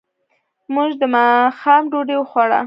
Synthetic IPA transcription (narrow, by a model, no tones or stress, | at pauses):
muʒd̪əmɑxɑmɖoɖewxwaɽa̰